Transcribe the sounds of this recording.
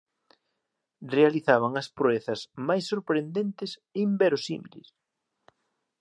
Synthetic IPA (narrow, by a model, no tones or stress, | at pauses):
realiθaβɐŋɐspɾoeθɐsmajsːoɾpɾend̪ent̪ɪsembɛɾosḭmḭlɪ̰s